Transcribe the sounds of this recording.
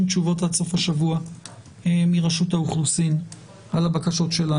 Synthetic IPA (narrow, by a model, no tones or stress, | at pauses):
mt͡ʃuvo̞talso̞faʃavua | miʁaʃutauχlusin | ʔalabakaʃo̞tʃe̞la